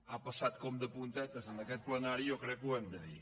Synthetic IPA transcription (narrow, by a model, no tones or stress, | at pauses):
apəsat̪̚kɔmd̪əpunt̪ɛt̪əsənakɛt̪̚pləŋaɾiokɾɛkuɛmd̪əði